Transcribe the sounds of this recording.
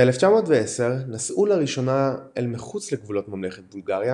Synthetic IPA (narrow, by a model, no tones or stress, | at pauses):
eeleft͡ʃamoːtveese̞ʁnasʔulaʁiʃo̞naelmiχut͡sleɡvulo̞tmamleχet̚bulɡaʁja